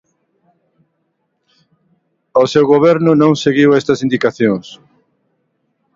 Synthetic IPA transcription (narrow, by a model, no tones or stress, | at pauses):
osewɣoβɛɾnʊnõŋseɣiwɛst̪ɐsind̪ikaθjõŋs